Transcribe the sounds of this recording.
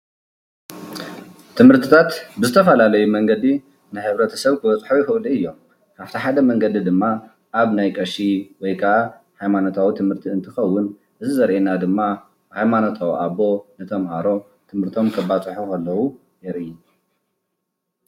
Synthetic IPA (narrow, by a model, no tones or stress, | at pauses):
t̪ʰɨmhɨɾt̪ʰɨt̪ʰat̪bɨzɨt̪ʰɐfɐlalɐjumɐŋɡɐd̪i | nɨħɨβɾɐt̪ʰɐ̥sɐβkʰɨbɐt͡sʼħujɪxɨʔliɨjːo̞m | kʰaβt̪ʰiħad̪ɐmɐŋɡɐd̪id̪ɨmːa | ʔaβnajkʼɐʃiwɔjkʰaʔa | hajmanot̪ʰawit̪ʰɨmhɨɾt̪ʰiɨnt̪ʰɨxɐwːʊn | ʔɨzizɐɾʔenad̪ɨmːa | hajmanot̪ʰawʔaβo̞nɨt̪ʰɐmhaɾo̞ | t̪ʰɨmhɨɾt̪ʰo̞mkʰɐbat͡sʼħukʰɐlːɐwu | jɛɾɨji